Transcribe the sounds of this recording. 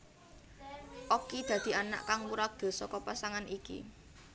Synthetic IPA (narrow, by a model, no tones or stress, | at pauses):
ʔokid̪̥ä̤d̪̥i̤ana̰ʔkaŋwuɾak̚d̪̥o̤sɔkɔpasaŋanʔikḭ